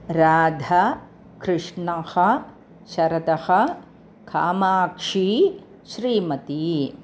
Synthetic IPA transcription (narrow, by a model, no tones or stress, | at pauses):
ɾaːd̪ʱɐ | kɾɪʂɳɐhɐ̆ | ʃɐɾɐt̪ɐhɐ̆ | kʰa̰ːmaːkʂiː | ʃɾiːmɐt̪i